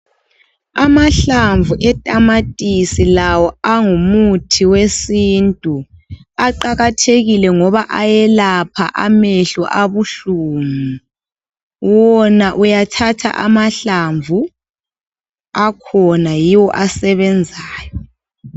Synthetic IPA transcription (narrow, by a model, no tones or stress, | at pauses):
amaɬaɱvuʔɛtʼamatʼisilawɔaŋumutʰiwesintʼuaǃaɣatʰeɣilɛŋɔβaʔajɛlapʰa̰ʔa̰meɬɔʔaβuɬuːmu | wɔnaʔujatʰatʰa̰ʔamaɬaɱvu | akʰɔnajiwɔʔasɛβɛnd͡zʱaːjɔ